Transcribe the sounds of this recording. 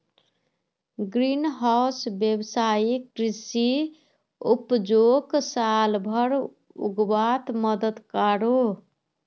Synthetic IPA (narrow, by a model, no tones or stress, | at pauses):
ɡɾinɦaʊsbjebsaikɾisi | upd͡ʒoksalbʱəɾ | ṵɡbat̪məd̪əd̪kaɾo